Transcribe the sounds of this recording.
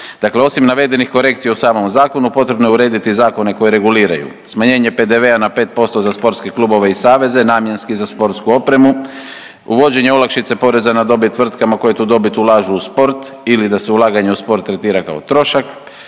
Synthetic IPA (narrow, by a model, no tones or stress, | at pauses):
d̪̥akle̞o̞simnaʋe̞d̪e̞nixko̞ɾe̞kt̪sijausaːmo̞mzaːko̞nupo̞t̪ɾe̞bnojuɾe̞ːd̪it̪izaːko̞ne̞ko̞jeɾe̞ɡuliːɾa̰jṵ | smaɲe̞ːɲe̞pe̞d̪e̞ʋe̞anape̞ːt̪̚po̞st̪o̞zaspo̞ɾt̪ske̞klubo̞ʋe̞isaːʋe̞ze̞naːmje̞nskizaspo̞ɾt̪skuo̞pɾe̞mu | uʋo̞d͡ʑe̞ɲeolˠakʃit̪se̞po̞ɾe̞zanad̪o̞bit̪ʋr̩t̪kamako̞jet̪uːd̪o̞bit̪ulˠaːʒuːspo̞ɾt̪ilid̪ase̞ulˠaːɡaɲeuspo̞ɾt̪ːɾe̞t̪iːɾaka̰o̞̰t̪ɾo̞ʃak